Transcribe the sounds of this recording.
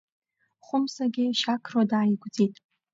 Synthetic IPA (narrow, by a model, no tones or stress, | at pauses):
χʷʊmsaɡʲɪʃakʰrwadaːjɡʷd͡zitʼ